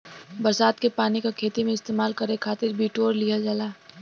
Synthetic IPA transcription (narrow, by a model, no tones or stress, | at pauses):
bɐɾsaːt̪kepaːnikakʰeːt̪imẽɪst̪eːmaːlkɐɾekʰaːt̪ɪɾbʱiːʈoːɾlijad͡ʒaːlaː